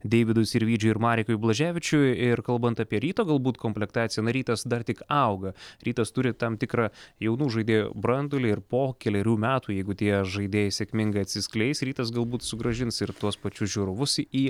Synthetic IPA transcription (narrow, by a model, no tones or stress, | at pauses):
d̪ʲɛɪʋʲɪd̪ʊsɪɾʋʲiːd͡ʒʲʊːɪɾmɑːɾʲɪkʊblˠɐʒʲæːʋʲɪt͡ʃʲʊɪɾkɐlˠbɐnt̪ɑpʲiɛɾʲiːt̪oːɡɐlˠbuːt̪koːmʲpʲlʲɛkt̪ɑːt̪sʲɪjɛnɐɾʲiːt̪ɐsd̪ɐrt̪ʲɪkɐʊɡɐɾʲiːt̪ɐst̪ʊɾʲɪt̪ɐmt̪ʲɪkɾɑjɛʊnuːʒɐɪd̪ʲeːjo̰bɾɐnd̪ʊlʲɪɪɾpoːkʲɛlʲɛɾʲuːmʲæːt̪uːjɛɪɡʊt̪ʲiɛʒɐɪd̪ʲeːjɛsʲeɛkʲmʲɪŋɡɐɪɐt̪ʲsʲɪsʲklʲɛɪsɾʲiːt̪ɐs̬ɡɐlˠbuːt̪sʊɡɾɐʒʲɪnsɪɾt̪uɔspɐt͡ʃʲʊsʒʲuɾʊʋʊsiː